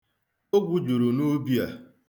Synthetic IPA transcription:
o˦ɡʷu˦d͡ʒo˨ɾo˨no˦bi˦a˨

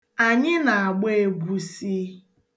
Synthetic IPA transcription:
a˨ɲɪ˦na˨a˨ɡ͡be˦e˦ɡʷu˦si˦

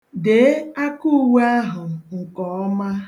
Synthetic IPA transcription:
de˨˦a˦ku˦wa˦ɦʊ˨ŋ̩˨kɔ˨ɔ˦ma˦

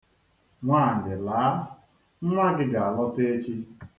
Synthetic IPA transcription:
ŋʷaː˦˨dɪ˨laː˨˦ | ŋ̩˦ŋʷa˦ɡɪ˦ɡa˨a˨lɔ˦te˦t͡ʃi˦

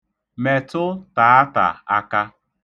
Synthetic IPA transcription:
me˨tʊ˦ta˨a˦ta̰˨a˦ka˦

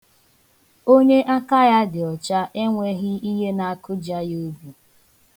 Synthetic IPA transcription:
o˦ɲe˦ʔa˦ka˦ja˦dɪ˨ɔ˨t͡ʃa˦ʔe˦ŋʷe˦ɦɪ˦i˦ɦe˦na˨a˦kʊ˦d͡ʒa˦jo˦bu˨

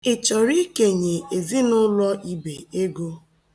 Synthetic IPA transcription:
ɪ˨t͡ʃɔ˨ɾi˦ke˨ɲe˨e˨zi˦nʊ˦lɔ˦ʔi˦be˨e˦ɡo˦

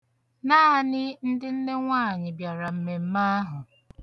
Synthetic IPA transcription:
naː˦a˦nɪ˦n̩˦dɪ˦n̩˦ne˦ŋʷaː˦˨ɲɪ˨bja˨ɾa˨m̩˦me˨m̩˦ma˦ɦʊ˨

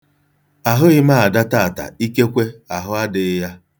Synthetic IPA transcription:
a˨ɦʊ˦ɪ˦ma˦a˨da˦ta˦˨a˨ta̰˨i˦ke˦kʷe˦a˨ɦʊ˦a˦dɪ˨˦ja˦

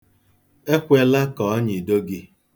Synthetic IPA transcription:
e˦kʷe˦la˦kɔ˨ɔ˦ɲɪ˨do˦ɡɪ˦

